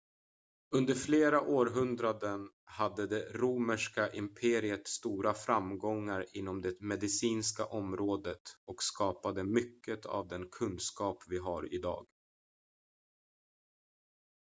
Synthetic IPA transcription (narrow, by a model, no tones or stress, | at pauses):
ɵnd̪əɾfleːɾaʔoːɾɦɵnd̪ɾad̪ən | had̪ːəd̪ɛɾuːməʂkaʔɪmpʰeːɾɪət̪st̪uːɾafɾamɡɔŋːaɾɪn̪ːɔmd̪ɛmɛd̪ɪsiːnska̰ʔɔmɾoːd̪ət̪ɔkskɑːpad̪əmʏkːət̪ʰa̰vd̪ɛnkʰɵnskɑːpvɪɦaɾɪ̰d̪ɑ̰ːɡ